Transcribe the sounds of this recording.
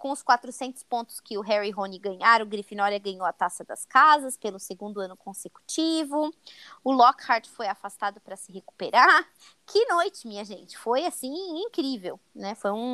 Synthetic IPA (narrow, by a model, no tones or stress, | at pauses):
kõʊskwat̪ɾʊsẽnt̪ʊ̥spõnt̪ʊ̥skɪʊɦɛɾiɦõniɡɐ̃ɲaɾɐ̃ʊɡɾifinɔɾɐɡɐ̃ɲowɐt̪asɐd̪ɐ̰skazɐspelʊseɡũnd̪ʊɐ̃nʊkõseku̥t͡ʃivʊ | ʊlɔkhaɾt͡ʃfojafast̪ad̪ʊpɾɐsɪɦeku̥peɾaɾ | kʰɪnojt͡ʃɪmĩɲɐʒẽnt͡ʃɪ̥fojasĩĩkɾivew | nɛfojũ